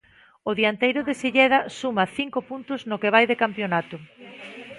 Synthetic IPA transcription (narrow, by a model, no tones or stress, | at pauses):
ʊðiant̪ejɾʊðesiʎɛðɐsumɐθiŋkʊpunt̪ʊznokeβ̞ajðekampjonat̪ʊ